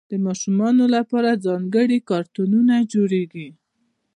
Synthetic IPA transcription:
d̪̥əmɑʃumɑnolapɑɾazɑŋɡəɽikɑɾt̪ununad͡ʒoɽeɡi

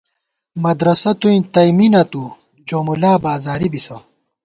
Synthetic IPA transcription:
mɐd̪ɾɐsɐt̪uĩt̪ɐjminɐt̪u | d͡ʑoːmulaːbaːzaːɾibisɐ

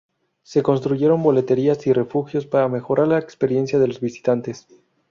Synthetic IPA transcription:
se̞ko̞ns̬t̪ɾuʝe̞ɾo̞mbo̞le̞t̪e̞ɾiasire̞fuxjo̞spaɾame̞xo̞ɾʔaɾlaekspe̞ɾje̞nsjaðe̞lo̞zβisi̥t̪ant̪e̞s

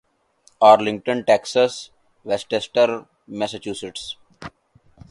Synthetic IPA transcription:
ɔːɾlɪ̃ŋk̚ʈə̃nʈeːksəs | ʋesʈesʈəɾ | mɛsət͡ʃuːsɪʈs

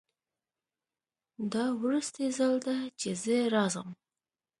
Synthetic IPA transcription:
d̪ɑwɾəst̪ezald̪at͡ʃezəɾɑzəm

